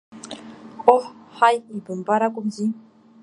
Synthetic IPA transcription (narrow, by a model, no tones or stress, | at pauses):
oħajibəmbaɾakʷumzi